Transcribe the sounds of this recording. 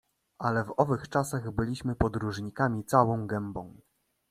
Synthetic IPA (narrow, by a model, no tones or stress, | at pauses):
ʔalɛvɔvɘxt͡ʂasaɣbɘlʲiɕmɘpɔd̪ɾuʐɲikamʲit̪sawɔ̃w̃ɡɛmbɔ̃w̃